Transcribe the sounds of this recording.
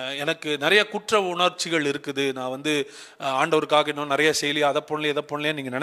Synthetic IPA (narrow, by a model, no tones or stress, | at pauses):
ɛnɐkːɯnɪɾɐjɐkʊʈrɐʋʊɳɐɾt͡ʃːɪɣɐɭɪɾɯkːɯðɯnãːʋɐnd̪ɯ | aːɳɖɐʋɐɾɯkːaːɣɪɳːõːnɪɾɐjasɛjlɪjɐðɐpːɔɳlɪjːðɐpːɔɳɪlɪjaːniːŋɡɐnɐn